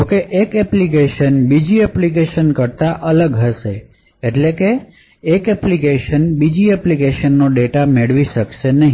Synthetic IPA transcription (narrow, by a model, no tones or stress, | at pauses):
d͡ʒokeʔekɛplik̬eʃənbid͡ʒiɛplik̬eʃənkəɾt̪aʔələɡɦəʃe | eʈlekeː | kɛplikeʃənbid͡ʒiɛplikeʃənːoɖeʈameɭʋiʃəkʃenəɦĩ